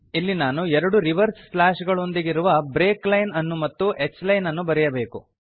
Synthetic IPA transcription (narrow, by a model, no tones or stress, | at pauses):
ilːinaːnuɛɾɐɽuɾiʋɐɾsflaːʃɡɐɭo̞nd̪iɡiɾuʋɐbɾeːklɐjnɐnːumɐt̪ːuʔekslɐjnɐnːubɐɾɛjɐbe̞ːkṵ